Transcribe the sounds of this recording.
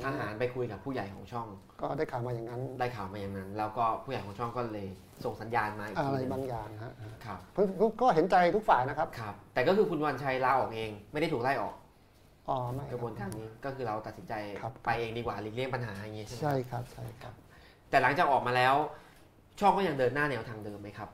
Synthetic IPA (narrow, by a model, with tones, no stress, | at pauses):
ʔaː˧ɦaː˩˦npa˧jkʰu˧jka˨˩pʰːuː˥˩ja˨˩jkʰɔ̰ː˩˦ŋt͡ɕʰɔ˥˩ŋ | kɔː˥˩daː˥˩jkʰaː˨˩wmaː˧jaː˨˩ŋa˦˥ndaː˥˩jkʰaː˨˩wmaː˧ja˨˩ŋna˦˥nlɛː˦˥wkɔː˥˩pʰuː˥˩jjkʰɔː˩˦ŋt͡ɕʰɔ˥˩ŋkɔː˥˩lɤː˧j | so˨˩ŋsa˩˦njaː˧nmaː˧ʔi˨˩a˧ɾa˧jbaː˥˩ŋjaː˨˩ŋɦa˦˥ʔkʰa˦˥p̚pʰɯ˧˥˩kɔː˥˩ɦe˩˦nt͡ɕa˧jt̪ʰu˦˥k̚faː˨˩jna˦˥kʰa˦˥p̚kʰa˦˥p̚t̪ɛː˨˩kɔː˥˩kʰɯː˧kʰu˧nwa˧nt͡ɕʰa˧jlaː˦˥ʔɔː˨˩k̚ʔeː˧ŋma˥˩jda˥˩jt̪ʰuː˨˩la˥˩jʔɔ̰ː˨˩k̚ | ʔɔː˨˩˦ma˥˩ka˧bu˧ə˧nkaː˧nniː˦˥˩kɔː˥˩kʰɯː˧ɾa˧wt̪a˨˩t̪̚si˩˦nt͡ɕa˧jkʰa˦˥pa˧jʔeː˧ŋdiː˧kwaː˨˩li˨˩k̚li˥˩əŋmpa˧nɦaː˩˦a˧ŋi˦˥t͡ɕʰe˥˩˨t͡ɕʰa˥˩jkʰa˦˥p̚t͡ɕʰa˥˩jkʰa˦˥p̚ | t̪ɛː˨˩la˩˦ŋt͡ɕaː˨˩k̚ʔɔː˨˩k̚maː˧lɛː˦˥w | t͡ɕʰɔ˥˩ŋkɔ˥˩ja˧ŋdɤː˧nːaː˥˩nɛː˦˥wt̪ʰaː˧ŋdɤː˧mːa˦˥jkʰa˦˥p̚